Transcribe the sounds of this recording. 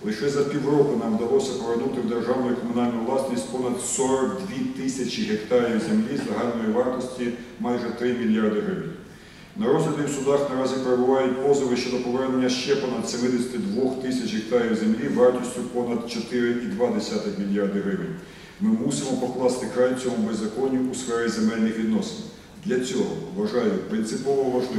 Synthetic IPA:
lˠɪʃɛzɐpʲiwrɔkʊnɑmʋd̪ɐlˠɔsʲɐpɔʋernut̪ɪwd̪erʒɑwnɔjikɔmʊnɑlʲnʊʋlˠɑsnʲisʲtʲpɔnɐd̪sɔɾɔkd̪ʲʋʲit̪ɪsʲɐt͡ʃiɦekt̪ɑɾʲizemlʲizlˠeɦɑlʲnɔjiʋɑrt̪ɔsʲtʲimɑjʒɛt̪ɾɪmʲilʲjɑrd̪ɪɦɾɪʋɪnʲ | nɐɾɔzlʲɐd̪ʲiwsʊd̪ɑxnɐɾɑzʲipeɾebʊʋɑjʊt̚ʲpɔzɪʋɪʃt͡ʃɔd̪ɔpɔʋɛrne̞nʲːɐʃt͡ʃɛpɔnɐd̪semɪd̪esʲɐ̥t̪ɪd̪ʋɔxt̪ɪsʲɐt͡ʃʲɦek̚t̪ɑɾʲiwʲzemlʲiʋɑrt̪ɔsʲtʲʊpɔnɐd̪̚t͡ʃɔt̪ɪɾɪʔid̪ʋɑd̪esʲat̪ɪxmʲilʲjɑrd̪ɪɦɾɪʋɪnʲ | mɪmusʲɪmɔpɔklˠɑst̪ɪkɾɑjʲt͡sʲɔmubezːɐkɔnʲiʔusfɛɾɪzemɛlʲnɪxʋʲid̪nɔsen | d̪lʲɐt͡sʲɔɦɔ̰ʋɐʒɑjʊpɾɪnt̪sɪpɔʋɔʋɐʒlˠɪ

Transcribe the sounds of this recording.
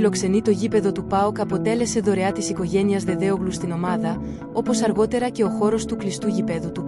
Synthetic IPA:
lo̞kse̞nit̪o̞ʝipe̞ðo̞t̪upɐokɐpo̞t̪e̞le̞se̞ðo̞ɾe̞ɐt̪isiko̞ʝe̞niɐzðe̞ðe̞oɣlust̪ino̞mɐðɐ | o̞po̞sɐɾɣo̞t̪e̞ɾɐce̞o̞xo̞ɾo̞st̪uklist̪uʝipe̞ðut̪u

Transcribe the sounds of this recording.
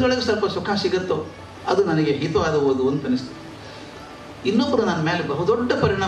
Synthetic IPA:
ɔɭɐɡesɐɾpɐsukʰaːsiɡɐt̪ːo | ɐ̰d̪unɐnɐɡe̞ɦit̪uʋaːd̪ɐɦoːd̪uɐnd̪uɐnːist̪u | inːobːɐɾunaːnːɐmeːlebɐɦɐd̪ɔɖːɐpɐɾiɳaː

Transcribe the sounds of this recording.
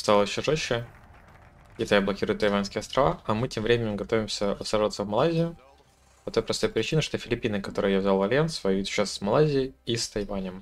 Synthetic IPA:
st̪alˠəɕɪʐoɕːɪ | kʲɪt̪ajəblˠɐkʲiɾʊjʊt̪ːɐjvanskʲɪjəɐst̪ɾɐvaɐmɨtʲemvɾʲemʲɪnʲɪmɡɐt̪o̞vʲɪmsʲəɾəsaʐvət̪səvmɐlˠazʲɪjʊ | pɐt̪o̞jpɾɐst̪o̞jpɾʲɪt͡ɕinəʂt̪o̞fʲɪlʲɪpʲinɨkɐt̪o̞ɾɨjjavzʲalˠvɐlʲjensvɐjvʲit̪ʲɕassmɐlˠazʲɪɪist̪ɐjvanʲəm

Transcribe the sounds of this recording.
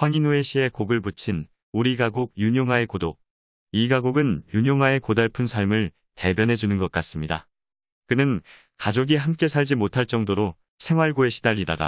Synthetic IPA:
ɸwaŋinueɕʰie̞koɡɯɭput͡ɕʰin | uɾiɡaɡoɡ̚juɲoŋɦae̞kodo | iɡaɡoɡɯnjuɲoŋɦae̞kodaɭpʰɯnsʰaɭmɯɭ | te̞bjʌnɦe̞d͡ʑunɯnɡʌk͈̚as͈ɯmɲida̰ | kɯnɯn | kad͡ʑoɡiɦamk͈e̞sʰaɭd͡ʑimotʰaɭt͡ɕ͈ʌŋdoɾo | sʰe̞ŋɦwaɭɡoe̞ɕʰi̥daʎːida̰da̰

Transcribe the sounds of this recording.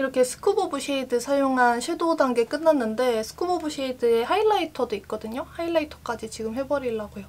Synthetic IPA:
iɾʌkʰe̞sʰɯ̥kʰubobuɕʰeidɯsʰajoŋɦanɕʰedodaŋɡe̞k͈ɯnːanːɯnde̞sʰɯ̥kʰubobuɕʰeidɯehaiɭːaitʰʌdoik̚k͈ʌdɯɲohaiɭːaitʰʌ̥k͈ad͡ʑit͡ɕiɡɯmhe̞bʌɾiɭːaɡojo

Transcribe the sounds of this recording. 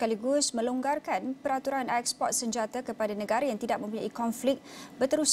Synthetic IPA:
kaliɡusmə̃loŋɡarkanpəɾat̪uɾanɛk̚spɔt̪̚səɲd͡ʒat̪akəpadanə̃ɡaɾajaŋt̪idaʔ̚mə̃mp̬uɲaikɔnflɪk̚bət̪əɾus

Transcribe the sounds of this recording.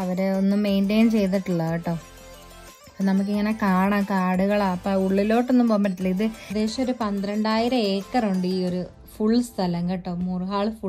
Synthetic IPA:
ɐʋɐɾeonːumːe̞jnʈeːnt͡ɕe̞jt̪̬iʈːuɭːɐːiʈːoː | pːoːnɐmuk̬ːiŋːɐnekaːɳaːkaːɽuɣɐɭaːpːɐuɭːilo̞ːʈːo̞nːumpoːmːɐʈːilːɐiðɨd̪e̞ːɕɐmoɾupɐnd̪ɾɐɳɖaːjiɾɐeːkːɐroɳɖɨiːo̞ɾu | fuɭːst̪ʰɐlɐŋɡɐʈːoːmurɨɦaːɭfu

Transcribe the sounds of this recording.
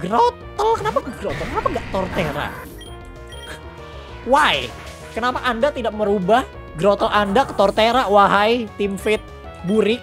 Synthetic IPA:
ɡɾot̪əlkənapaəɡɾot̪əlkənapaŋɡaʔt̪ɔrt̪eɾa̰ | waj | kənapaʔandat̪idaʔ̚məɾubah | ɡɾot̪əlandakə̥t̪ɔrt̪eɾawaɦajt̪ɪmfɪt̪̚ | buɾɪk̚

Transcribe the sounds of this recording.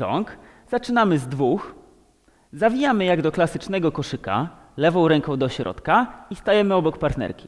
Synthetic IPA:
ɔ̰ŋk | z̥at͡ʂɘnamɘzd̪vux | zavʲijamɘjaɡd̪ɔklasɘt͡ʂnɛɡɔkɔʂɘka̰ | lɛvɔ̃w̃ɾɛŋkɔ̃w̃d̪ɔɕɾʔɔ̰t̪kaist̪ajɛmɘɔbɔkpaɾt̪nɛ̰ɾkʲi̥

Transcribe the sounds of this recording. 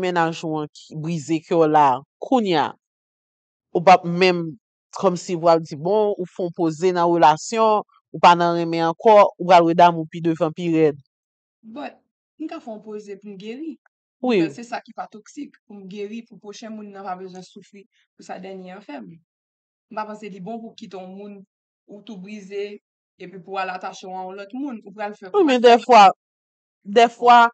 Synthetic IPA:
menaʒãkibʁizekʰɔlakʰũnja̰ | upap̚mɛ̃m | kɔmsiupʁald͡zibɔ̃ufɔ̃ɔ̃pozenɐ̃ʁølasjɔ̃ | upanɐ̃ɣɛ̃mɛ̃ɑ̃kɔupɣalʁəd̪amũpid̪øvãpiʁɛd̪ | bɔt̚ | m̩kafɛ̃ɔ̃pozepumɡeʁi | wisɛsakipat̪ɔksikpumɡeʁipupʁoʃɛ̃mũnːãpabøzwɛ̃sufʁi | pusad̪ɛnjeãfɛm | m̩papãselibɔ̃pukit̪eɔ̃mũn | ut̪ubʁize | epɥipualat̪aʃɔ̃aɔ̃lɔt̪mũnupɣalfɛwimɛ̃d̪ɛfwa | d̪ɛfwa

